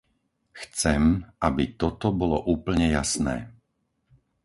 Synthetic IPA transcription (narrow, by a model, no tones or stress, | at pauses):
xt͡sɛmabit̪ɔt̪ɔbɔlɔʔuːpl̩ɲɛjasnɛ̰ː